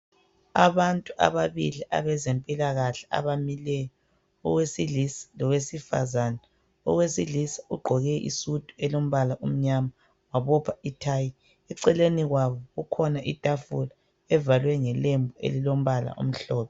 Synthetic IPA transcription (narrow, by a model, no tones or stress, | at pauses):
aβantʼuʔa̰βaβiliʔa̰βɛzempʼilaɣaɬɛ̥a̰βamilɛjɔ | ɔ̰ɣwesilislɔwesifa̰zanɛ | ɔ̰ɣwesilisḁuɡ͡ǃʱɔɣɛʔḭsud̥ʱʼuɛlom̩βalaʔum̩ɲama | waβɔpʰaitʰaːji | ɛǀɛleniɣwaβɔɣukʰɔnaʔitʼafula | ɛvalwɛŋɛlembʱuḛlilom̩βala̰ʔṵm̩ɬɔːpʰɛ